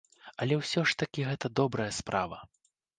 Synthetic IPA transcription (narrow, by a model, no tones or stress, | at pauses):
ɐlʲɛwsʲɔʂt̪ɐkʲiɣɛt̪ɐd̪ɔbɾɐjɐspɾʔavɐ